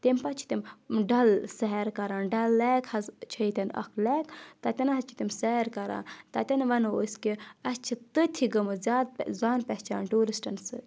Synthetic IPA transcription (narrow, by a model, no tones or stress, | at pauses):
t̪empɐt͡ʃʰi̥t̪imɖɐlsɐɦɐɾkɐɾaːnɖɐlːaːkhɐzt͡ʃʰɐit̪ʲɐnɐ̰kʰleːkt̪ɐt̪ʲɐnɦɐt͡ʃʰi̥t̪imsɐɾkɐɾã̰ːnt̪ɐt̪ʲɐnʋɐnoskiɐst͡ʃʰit̪ɨt̪ʰiɡɐmɨzʲaːd̪̚zaːnpʲɐt͡ʃa̰ːnʈuːɾisʈɐnsɨ